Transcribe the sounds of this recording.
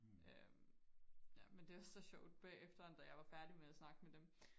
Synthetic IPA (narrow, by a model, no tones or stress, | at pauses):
ʔøm | jæmend̥e̝ɑ̈sɒ̽ɕɒʊ̰d̥̚b̥ɛ̰ːefd̥ɐɒnd̥æjɑ̈ɪʋɑ̈fæɐd̥imeðæsnɑ̈ɡ̥əmed̥em